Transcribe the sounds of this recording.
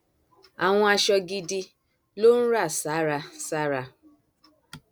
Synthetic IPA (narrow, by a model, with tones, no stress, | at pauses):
a˨w̃ɔ̃˦a˧ʃɔ˧ɡi˧di˧ | lo˦n̩˦ɾa˦˨sa˨˦ɾa˧sa˦ɾa˨